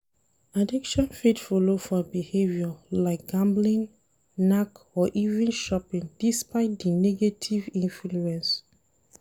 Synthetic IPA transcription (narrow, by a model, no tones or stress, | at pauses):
adikʃɔ̃nfitfɔlofɔbihevjɔlaɪk̚ɡ̥ãmblĩn | nak | ɔʔivɛ̃nʃɔpĩnd̥ispaɪt̚dinɛɡetʰivĩnfluɛ̃ns